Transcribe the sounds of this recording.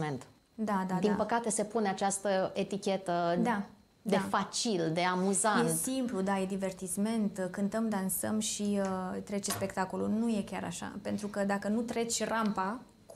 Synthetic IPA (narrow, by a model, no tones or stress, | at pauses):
ent̪ | d̪ad̪ad̪inapəkat̪e̞se̞puneat͡ʃast̪əet̪ikʲe̞t̪əd̪a | d̪eafat͡ʃild̪e̞amuzajnet̪simplud̪aje̞d̪ive̞rt̪isme̞nt̪kɨnt̪əmd̪ansəmʃiət̪ɾe̞t͡ʃespe̞kt̪ako̞lunuje̞kʲa̰ɾa̰ʃa̰pent̪ɾukəd̪akənut̪ɾe̞t͡ʃʲrampa